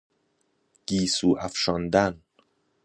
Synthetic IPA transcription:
ɡ̥iːsuːʔæfʃɒnd̪æn

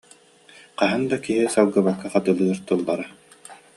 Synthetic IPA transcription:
qaɦɯnd̪akiɦisalˠɡɯbakːaqat̪ɯlˠɯɐɾt̪ulˠːaɾa

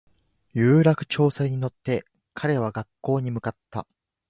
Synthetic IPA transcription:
jɯ̟ːɾakɯ̟̥t͡ɕo̞ːseɲ̟ino̞t̪ːe̞ | kʰaɾe̞β̞aɡakːo̞ːɲ̟imɯ̟kat̪ːa̰

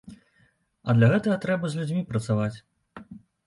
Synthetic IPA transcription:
ɐd̪lʲɐɣɛt̪ɐɣɐt̪ɾɛbɐzʲlʲud͡zʲmʲipɾɐt̪savat͡sʲ

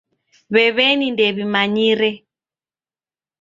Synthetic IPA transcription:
βɛβɛnindɛβimaɲiɾɛ

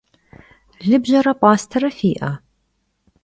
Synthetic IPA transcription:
ɮɨbʒɐɾɐpʼɑːstʰɐɾɐfiːʔɐ

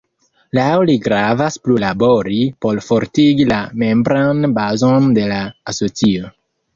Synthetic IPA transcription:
lawliɡɾavasplulabo̞ɾipo̞lfo̞ɾtiɡilame̞mbɾanbazo̞nde̞laːso̞t͡sio̞

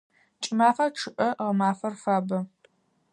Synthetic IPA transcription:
t͡ʃʼɪmaːfaʈ͡ʂʰɨʔɐʁɐmaːfɐrfaːbɐ

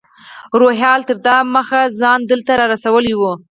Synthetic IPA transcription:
ɾoɦjɑlt̪əɾd̪ɑməxazɑnd̪əlt̪aɾɑɾasawəliwu

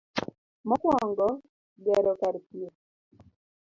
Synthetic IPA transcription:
mɔkɔŋɡɔ | ɡɛɾɔkaɾkie

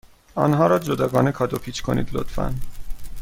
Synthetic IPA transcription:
ɒ̰nɦɒːɾɒːd͡ʒod̪ɒːɡɒːnekʰɒːd̪opʰiːt͡ʃkʰo̞̰nḭːd̪lo̰t̪fæ̰n

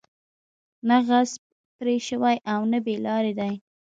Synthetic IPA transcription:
naɣaz | pɾeʃəwajʔawnabelɑɾed̪aj

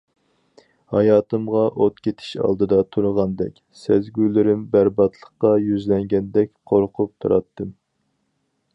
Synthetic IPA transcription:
hɑjɑːt̪ɨmʁɑʔot̪kʲʰet̪ʰɪ̥ʃɑ̰lˠd̪ɨd̪ɑt̪ʰuɾʊʁɑnd̪ɛ̰kʲ | sɛzɡʲylɪɾɪmbæɾbɑt̪ʰlˠəχqɑjyzlɛŋɡʲɛnd̪ɛkʲqʰoɾqʰʊp̚t̪ʰuɾɑt̪ːɨm

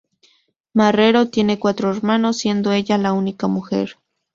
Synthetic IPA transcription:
mareɾot̪je̞nekwat̪ɾoeɾmanosːje̞nd̪oeʎalaunikamuxḛɾ

